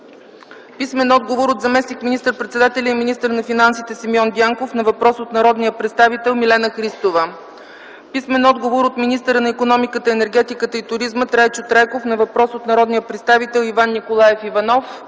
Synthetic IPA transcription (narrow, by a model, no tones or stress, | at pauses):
pismɛnɔd̪ɡovoɾot̪zɐmɛsnikminist̪əɾpɾɛt̪sɛd̪at̪ɛlʲəiminist̪əɾnɐfinansit̪ɛsimjɔnd̪ʲaŋkofnɐvɐpɾɔsot̪nɐɾɔd̪nijəpɾɛt̪st̪avit̪ɛlˠmilɛnəxɾist̪ovə | pismɛnɔd̪ɡovoɾot̪minist̪əɾənɐikonɔmikət̪əɛnɛɾɡɛt̪ikət̪əit̪ʊɾizmət̪ɾajt͡ʃot̪ɾakofnɐvɐpɾɔsot̪nɐɾɔd̪nijəpɾɛt̪st̪avit̪ɛlˠivanːikolˠajɛfivɐnɔf